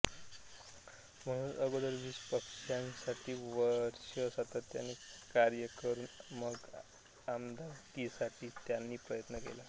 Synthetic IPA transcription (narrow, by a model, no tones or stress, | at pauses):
m̤əɽ̃uːnʔəɡod̪əɾʋiɕpəkʂansaʈʰiːʋəɾɕəsat̪ət̪ːja̰nːiːkaɾjəkəɾuːnməɡ | amd̪ak̪isaʈʰiːt̪janːiːpɾəjət̪nəkḛla